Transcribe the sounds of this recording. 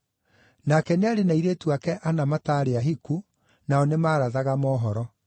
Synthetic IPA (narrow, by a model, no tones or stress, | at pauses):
nakɛneaɾenaiɾeːtuakɛʔanamataːɾeaɦiku | naɔnemaːɾaðaɣamɔːɦɔɾɔ